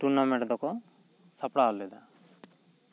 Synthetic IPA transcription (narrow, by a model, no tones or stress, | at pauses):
ʈunamɛʈd̪ɔkɔsapɽaɦɔlɛd̪a